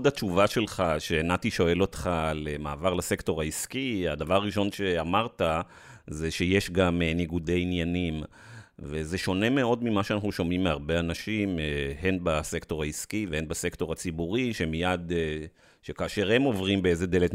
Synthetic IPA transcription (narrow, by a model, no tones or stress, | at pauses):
odat͡ʃuvaʃe̞lχaʃeːnatiʃo̞e̞lo̞t̪χalemaːvaʁlase̞kto̞ʁaiskiadavaʁaʁiʃo̞nʃe̞amaʁta | zeʃeje̞ʃɡameniɡude̞jinjanim | veze̞ʃo̞ne̞me̞o̞dmimaʃeanaχnuʃomimːeaʁbe̞anaʃimeɦenbasekto̞ʁaiskivehenbase̞kto̞ʁat͡sibuʁiʃe̞mijad̪ | ʃekaːʃe̞ʁhe̞mo̞vʁimbeezed̪e̞let